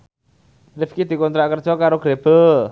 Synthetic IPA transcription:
rɪfkid̪̥i̤kɔnt̪ɾaʔkərd̥ʒ̥ɔkaɾoɡ̥ɾeb̥ə

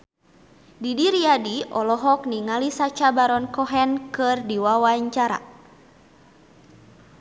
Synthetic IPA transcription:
didiɾiadiɔlɔɦɔkniŋalisat͡ʃabaɾɔnkɔɦɛnkɨrdiwawaɲt͡ʃaɾa̰

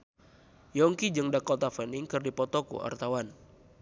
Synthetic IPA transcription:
jɔŋkid͡ʒɨŋdakɔt̪afəniŋkɨrdipɔt̪ɔkṵʔa̰rt̪awan

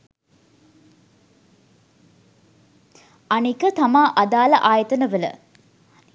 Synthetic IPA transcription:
anikət̪amaːʔad̪aːlɐʔaːjət̪ənəʋələ̰

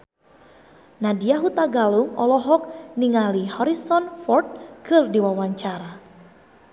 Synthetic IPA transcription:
nadiaɦut̪aɡaluŋɔ̰lɔɦɔk̚niŋalihɔɾisɔnfɔrt̪̚kʰɨrdiwawaɲt͡ʃaɾa

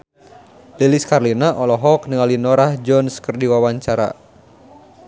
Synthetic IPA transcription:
liliskarlinaʔɔlɔɦɔkniŋalinɔɾahd͡ʒɔnskərdiwawaɲt͡ʃaɾa̰

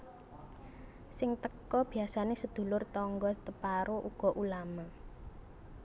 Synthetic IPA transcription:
sɪŋt̪əkɔb̥iasanesəd̪̥ṳlʊrt̪ɔŋɡɔt̪əpaɾoʔuɡ̥ɔ̤ʔulama

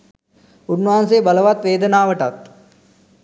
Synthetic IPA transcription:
unːaːnseːbɐləʋat̪ʋeːd̪ənaːʋəʈɐt̪

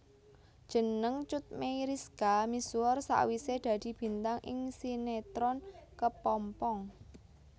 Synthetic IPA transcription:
d̥ʒ̥ə̤nəŋt͡ʃʊt̪̚meiɾiskamisuɔrsa̰wised̪̥ä̤d̪̥i̤b̥i̤nt̪aŋʔɪ̰ŋsinet̪ɾɔnkəpɔmpɔŋ

